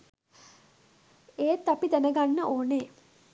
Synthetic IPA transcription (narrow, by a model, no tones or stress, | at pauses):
eːt̪ːapid̪ænəɡanːəʔoːneː